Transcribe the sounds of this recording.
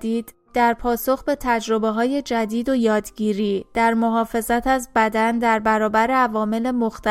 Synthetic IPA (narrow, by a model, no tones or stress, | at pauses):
d̪iːd̪̥ | d̪̥æɾpʰɒːso̞xbe̞t̪ʰæd͡ʒɾo̞beɦɒːje̞d͡ʒæd̪iːd̪o̞jɒːd̪ɟiːɾiːd̪̥æɾmo̞ɦɒːfe̞zæt̪ʰæzbæd̪ænd̪æɾbæɾɒːbæɾeævɒːme̞le̞moxt̪æ